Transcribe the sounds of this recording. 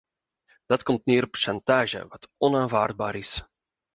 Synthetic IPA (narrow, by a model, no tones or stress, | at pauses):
d̥ɑtkɔmtneːrɔpʃɑntaːʒə̰ʋɑtɔnaːnva̰ːrd̚baːɾɪs